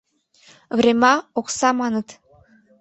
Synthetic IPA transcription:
vremɑoksɑmɑnə̆t̪

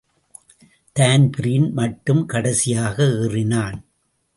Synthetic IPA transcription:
t̪aːnpɪɾiːnmɐʈːɯmkɐɽɐsɪjaːɣɐɯːrɪnaːn

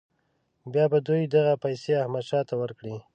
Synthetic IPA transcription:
bjɑbad̪ujd̪aɣapajseahmad̪ʃɑt̪awəɾkɽi

